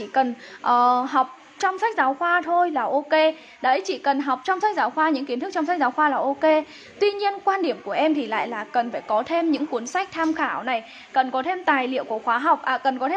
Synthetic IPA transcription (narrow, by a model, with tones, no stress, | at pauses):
i˧˩kə˨˩nʔəː˨˩ɦa˨˩wk͡p̚ | t͡ɕɔ˧wŋ͡msa˦˥k̚zaː˨˦wxwaː˧t̪ʰo˧jlaː˨˩ʔo˧ke˧ | ɗə˨˦jt͡ɕḭ˧˩kə˨˩nɦa˨˩wk͡p̚t͡ɕɔ˧ŋ͡msa˦˥jk̚zaː˨˦wxwaː˧ɲɨ̰˧˥ŋki˨˦t̪̚ʰt͡ɕɔ˧ŋ͡msa˦˥k̚zaː˨˦wxwaː˧laː˨˩ʔo˧ke˧ | t̪wi˧ɲi˧ənkwaː˧nɗi˧˩əmku˧˩əʔɛ˧mt̪ʰi˨˩la̰ː˧˨jlaː˨˩kə˨˩nfaː˧˩jkɔ˨˦t̪ʰe˧mɲɨ̰˧˥ŋku˨˦ənsa˦˥k̚t̪ʰaː˧mxaː˧˩wna˨˩j | kə˨˩nkɔ˨˦t̪ʰe˧mt̪aː˨˩jlḭ˧˨əwku˧˩əxwaː˨˦ɦa˨˩wk͡p̚ʔaː˨˩kə˨˩nkɔ˨˦t̪ʰe˧